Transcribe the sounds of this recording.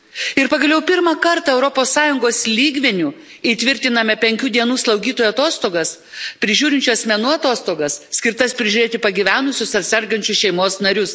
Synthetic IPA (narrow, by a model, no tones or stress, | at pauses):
ɪɾpɐɡɐlʲˠjɛʊpʲɪɾmɐkɐɾt̪ɐɛʊɾɔpoːsːɑːjʊŋɡoːslʲiːɡʲʋʲɛnʲuː | iːt̪ʲʋʲɪɾʲt̪ʲɪnɐmʲɛpʲɛŋʲkʲuːd̪ʲiɛnuːslˠɒʊɡʲiːt̪oːjuɐt̪oːst̪oːɡɐs | pʲɾʲɪʒʲuːɾʲɪnʲt͡ʃʲʊɐsʲmʲɛnuːɐt̪oːst̪oːɡɐssʲkʲɪɾt̪ɐspʲɾʲɪʒʲʊɾʲeːt̪ʲɪpɐɡʲiʋʲæːnʊsʲʊsɐt̪ʲsʲɛɾɡɐnʲt͡ʃʲʊʃʲɛɪmoːsnɐɾʲʊs